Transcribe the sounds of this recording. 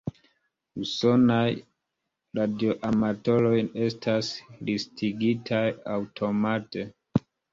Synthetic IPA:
uso̞naj | ɾadio̞ʔamato̞lo̞jne̞stʰaslistʰiɡitʰajawtʰo̞mate̞

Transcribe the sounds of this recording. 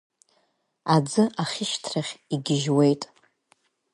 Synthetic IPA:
ad͡zɨʔaχʲɪʃtʰraχʲiɡʲɪʒwe̞jtʼ

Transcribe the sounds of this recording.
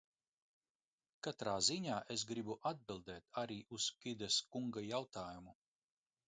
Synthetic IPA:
kat̪ɾaːziɲaːʔes̬ɡɾibuʔad̪̚bilˠd̪ɛːt̪ʰaɾiːʔuskʲid̪ɛskuŋɡajawt̪aːjumu

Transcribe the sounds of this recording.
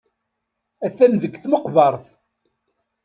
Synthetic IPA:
æθæmðəɡθməqvɑɾˤθ

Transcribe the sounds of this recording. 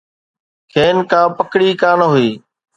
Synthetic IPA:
kʰeːnkãːpəkɽiːkaːnɦʊiː

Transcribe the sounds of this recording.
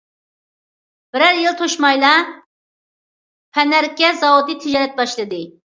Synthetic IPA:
b̥ɪɾæɾjɪlˠt̪ʰoʃmɑjlˠɑ | pʰɛnæɾkʲːɛzɑwod̪it̪ʰɪd͡ʒɑɾɛt̪̚bɑʃlˠɨd̪ɨ

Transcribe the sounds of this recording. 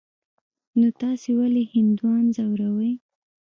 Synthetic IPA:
not̪ɑsewalehɪnd̪wɑnzawɾawəj

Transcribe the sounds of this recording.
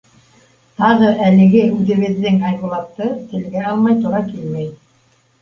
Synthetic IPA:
t̪ɑʁɤʔælɘ̆ɡɘʉðɘ̆βɘ̆ðːɘŋɑjʁŭlˠɑp̚t̪ɤt̪ɘ̆lɡæɑlˠmɑjt̪uɾɑkilmæj

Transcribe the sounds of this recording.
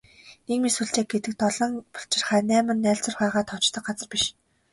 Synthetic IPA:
nekmisuɮt͡ɕeːk̚ɡet̪ɘ̆k̚t̪ɔɮɞ̆ŋpɔ̥ɬt͡ɕɪ̆rχæːnæːmɘ̆nːæːɬt͡sə̆rχæːʁaːt̪ʰɔt͡ɕt̪ə̆k̚ɢat͡sə̆rpʲiʃ

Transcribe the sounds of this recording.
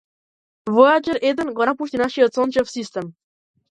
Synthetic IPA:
voad͡ʒəɾed̪ə̆nɡɔnapuʃt̪inaʃijət̪sont͡ʃəfsist̪ɛm

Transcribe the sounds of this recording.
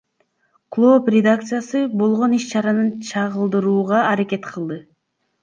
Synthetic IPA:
klˠoprʲed̪ak̚t̪sɨjasɯbo̞lˠʁo̞niʃt͡ʃɑɾɑnɯnt͡ʃʰɑʁɯlˠd̪ɯɾuːʁɑːɾake̞t̪qʰɯlˠd̪ɯ

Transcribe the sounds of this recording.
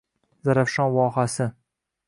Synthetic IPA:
zaɾafʃɒnvɒɦasɪ

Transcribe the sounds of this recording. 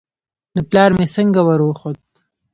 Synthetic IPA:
d̪əplɑɾmesəŋɡawaɾwxod̪̚

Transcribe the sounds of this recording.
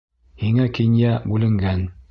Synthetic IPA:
hiŋækĭnjæbʉlɘ̆ŋɡæn

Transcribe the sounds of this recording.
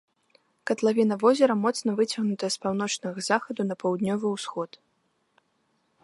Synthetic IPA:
kɐt̪lˠavʲinɐvɔzʲɛɾɐmɔt̪snɐvɨt͡sʲɐɣnut̪ɐjɛspawn̪ɔt͡ʂnɐɣɐzaxɐd̪unɐpɐwd̪nʲɔvɨwsxɔt̪

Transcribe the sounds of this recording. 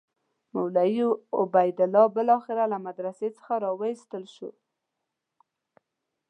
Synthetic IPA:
mawlajiʊbajd̪ɪlɑbəlɑxɪɾalamad̪ɾaset͡sə̥xaɾɑwəist̪əlʃo̰

